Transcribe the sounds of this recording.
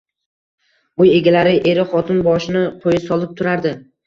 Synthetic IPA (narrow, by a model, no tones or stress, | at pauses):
ʊje̞ɡʲalaɾɪʔe̞ɾɪχɒt̪ʰɪnbɒʃɪnɪqʰojɪsɒlˠɪp̚t̪ʰʊɾaɾd̪ɪ